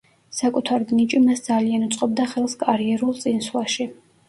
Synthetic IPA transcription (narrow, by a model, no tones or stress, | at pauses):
sakʼut̪ʰaɾd̪nit͡ʃʼimasd̪zalianut̪sʼqʼɔb̚d̪aχɛlˠskʼaɾiɛɾulˠt̪sʼinswaʃi